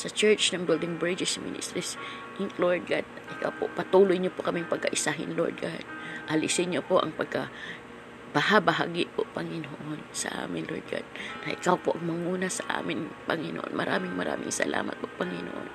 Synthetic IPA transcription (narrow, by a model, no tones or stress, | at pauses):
sɐt͡ʃɛɹt͡ʃnɐŋbɪld̪ɪŋbɹɪd͡ʒɛsmɪ̰nɪ̰st̪ɾis | ʔɪnloɹd̪̚ɡad̪̚ʔɪkawpopɐt̪uːlʊjɲopokɐmiŋpɐɡ̚kɐʔɪsaɦɪ̰nlo̰ɹd̪̚ɡad̪̚ʔɐlɪsɪɲɲopoʔɐ̰ŋpɐɡ̚ka | b̥ɐhabɐɦaɡɪʔpopɐŋɪnoʔonsɐ̰ʔa̰ːmɪnlʔoɹd̪̚ɡa̰d̪̚nɐʔɪkawpoʔɐŋmɐŋuːnɐsɐʔa̰ːmɪnpɐŋɪno̰ʔo̰nmʔɐɾʔaːmɪŋmɐɾa̰ːmɪ̰ŋsɐ̰lʔa̰ːmɐ̰t̪̚bapɐŋɪno̰ʔo̰n